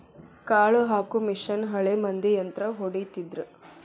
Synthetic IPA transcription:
kaːɭuɦaːkumiʂɐnɦɐɭemɐnd̪ijɐnt̪ɾɐɦoɽit̪id̪ɾu

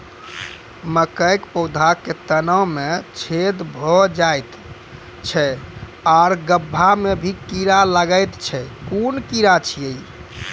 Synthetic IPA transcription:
məkəjkpəwd̪ʱakːet̪ənəwmet͡ʃʰed̪bʱɔd͡ʒajt̪ | t͡ʃʰɛaɾɡəbʱːamebʱikiɾaləɡəjt̪t͡ʃʰɛkunkiɾat͡ʃʰijəj

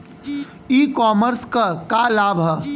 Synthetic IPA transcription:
ikɔməɾskəkalabʱə

